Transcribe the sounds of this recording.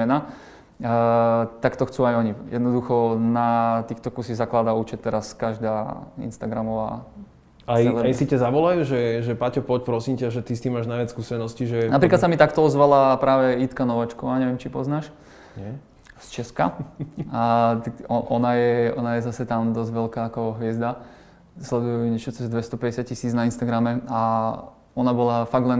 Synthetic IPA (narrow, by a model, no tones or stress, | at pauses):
ɛna | t̪akt̪ɔxt͡suːajɔɲijɛ̰d̪nɔd̪uxɔnat̪iːxt̪ɔkusiɣzaklaːd̪aut͡ʃɛt̪ːɛɾaskaʒd̪aːḭnst̪aɡɾamɔʋa̰ | aɛlɛaisicazaʋɔlajuːʒɛʒɛpacɔpɔcpɾɔsimcaʒɛt̪ist̪iːmːaːʒnajʋat͡sskuːsɛnɔsciʒɛnapɾiklasamit̪akt̪ɔɔzʋalapɾaːʋɛit̪kanɔʋat͡ʃkɔʋaːɲɛʋɪɛmt͡ʃipɔznaːʃ | ɛ | st͡ʃɛska | t̪aɔʔɔnajɛɔnajɛzasɛt̪amd̪ɔzɟʋɛlkaːkɔɦʋɪɛzd̪a | slɛd̪ujɛɲɛt͡ʃɔt͡sɛzd̪ʋɛst̪ɔpɛɟɛsjat̪̚cisiːd͡znainst̪aɡɾamɛa | ɔnabɔlafaɡd̪lɛn